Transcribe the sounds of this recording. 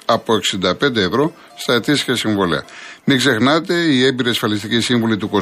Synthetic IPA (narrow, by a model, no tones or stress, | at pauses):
ɐpo̞e̞ksind̪ɐpe̞nd̪e̞ːvɾo̞ | st̪ɐet̪isçɐsiɱvo̞liɐ̰miɡze̞xnɐt̪e̞ie̞mbiɾiɐsfɐlis̬t̪icisiɱvolit̪uko̞